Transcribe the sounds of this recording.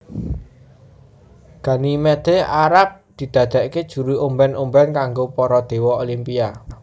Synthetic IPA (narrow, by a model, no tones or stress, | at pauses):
ɡ̥ä̤nimɛd̪̥eaɾap̚d̪̥i̤d̪̥ä̤d̪̥ä̤ʔked̥ʒ̥ṳɾuʔumbɛnʔumbɛnkaŋɡopɔɾɔd̪̥e̤wɔolimpia